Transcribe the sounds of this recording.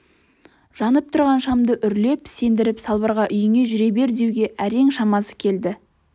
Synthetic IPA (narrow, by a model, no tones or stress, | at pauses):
ʒ̥ɑnəp̚t̪ʰʊɾʁɑnʃɑmd̪əʔʏɾle̞pse̞nd̪ɪɾɪpsɑlˠbəɾʁɑʔʏjɪŋe̞ʒʏɾe̞be̞ɾd̪e̞wɡʲe̞ʔæɾe̞ŋʃɑmɑsə̥kʲʰe̞ld̪ɪ